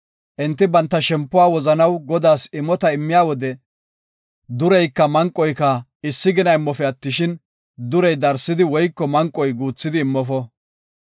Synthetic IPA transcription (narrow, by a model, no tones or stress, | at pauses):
ʔɪnt̪ːɪbɐnt̪ːɐʃɛmpːʊwaːwɔzɐnɐwɡɔd̪aːsɪmːɔt̪ɐɪmːɪjaːwɔd̪ɛ | d̪ʊɾɛjkːɐmɐŋkʼːɔjkɐɪsːɪɡɪnɐɪmːɔfɛɐt̪ːɪʃɪn | d̪ʊɾɛjd̪ɐɾsːɪd̪ɪwɔjkːɔmɐŋkʼːɔjɡuːt͡sːɪd̪ɪːmːɔfɔ